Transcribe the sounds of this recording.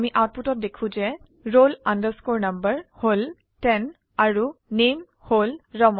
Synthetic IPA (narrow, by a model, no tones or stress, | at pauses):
miʔat̚putɔt̚dekʰũzɛ | ɹolandəskoɹnambəɹhol | tɛn | aɹunem | holɹɔmɔ